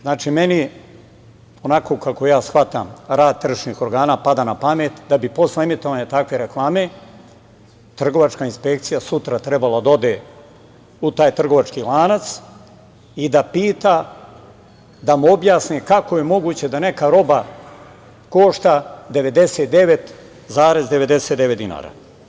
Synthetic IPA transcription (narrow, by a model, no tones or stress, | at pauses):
znaːt͡ʃime̞ni | o̞nako̞kako̞jaːsxʋat̪amɾaːd̪̚t̪r̩ʃnixo̞ɾɡaːnaːpad̪aːnapameːt̪d̪abipo̞sleemit̪o̞ʋaːɲat̪akʋe̞ɾeklˠaːme̞ | t̪r̩ɡo̞ʋat͡ʃkainspe̞kt̪sijasut̪ɾat̪ɾe̞balˠad̪ao̞d̪eː | ut̪aːjt̪r̩ɡo̞ʋat͡ʃkilˠaːnat̪s | id̪apiːt̪a | d̪amuo̞bjaːsnekakoje̞mo̞ɡuːt͡ɕed̪ane̞kaɾo̞ba | ko̞ʃt̪ad̪e̞ʋe̞d̪e̞set̪̚d̪e̞ʋe̞t̪ | zaːɾe̞zd̪e̞ʋe̞d̪e̞set̪d̪eʋet̪d̪ina̰ːɾa̰ː